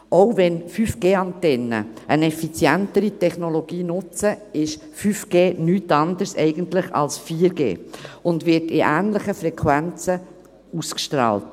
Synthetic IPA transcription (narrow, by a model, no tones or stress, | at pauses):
ʔoʊvɛnfyfɡ̥eːɑntɛnːə̰ʔənɛfit͡sjæntəɾitɛχnoloɡ̥iːnʊt͡səɪʃ | fyːfɡ̥eːnyːtɑndəsɛ̰ɪɡəntlɪχɑ̰lsfiːəɾɡḛːʊndʋɪɾtɪʔæːnləχəfɾɛkʰʋænt͡sə | uskʃtɾɑ̰ːlt